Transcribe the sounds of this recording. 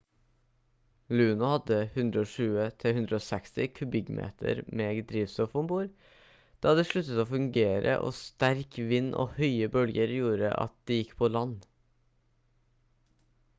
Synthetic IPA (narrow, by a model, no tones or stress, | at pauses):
lʉːnʊhɑd̪əhʉnd̪ɾəoːʃʉːət̪ʰɪlhʉnd̪ɾəoːsɛkst̪ɪkʰʉbɪɡmʔḛːt̪ʰə̰ɾmeːɡd̪ɾiːʋsɔfʊmbuːɾ | d̪̥ɑːɑd̪əʂɭʉt̪ət̪oːfʉŋɡeːɾə̰ʔo̰ːst̪æɾkʋɪnːʔo̰ːhœʏəbœlɡəɾjuːɾə̰ʔɑ̰t̪̚d̪̥iːjɪkːpʰoːlɑn